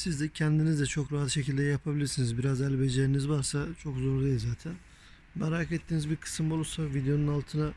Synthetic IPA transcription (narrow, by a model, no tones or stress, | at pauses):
sizd̪ɛcʰɛnd̪inizd̪ɛt͡ʃʰo̞kɾaɦat̪ʃe̞cʰilʲd̪ʲɛɛjapʰabilʲiɾsinizbiɾazɛlʲbed͡ʒeɾinizβaɾsat͡ʃʰo̞kzoɾd̪ajlzaːt̪ʰæn | maɾakɛt̪ʰːiːnizbiɾkʰɯ̥sɯmbolˠuɾsavid̪ejo̞nunalˠt̪ʰɯna